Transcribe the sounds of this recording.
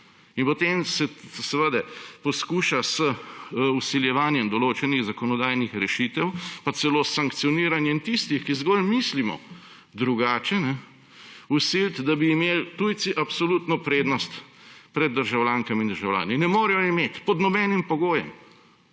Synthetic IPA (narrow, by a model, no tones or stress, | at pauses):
inpɔt̪eːmsɛsɛʋəd̪ɛpɔskuːʃasəusiljɛʋaːnjɛmd̪ɔloːt͡ʃɛniɣzakɔnɔd̪aːjnixɾɛʃit̪ɛwpat̪sɛloːsaŋkt̪sijɔniːɾanjɛint̪ist̪ixkizɡolmislimɔ̰ | d̪ɾuɡaːt͡ʃɛnɛ | usilt̪d̪abiːmeːlt̪uj̪siʔapsɔlut̪nɔpɾeːd̪nɔst̪pɾɛd̪̚ːəɾʒawlʲaːŋkɐmind̪əɾʒawlʲa̰ːninɛmoːɾɛjɔimeːt̪pɔd̪nɔbɛnimpɔɡoːjɛ̰m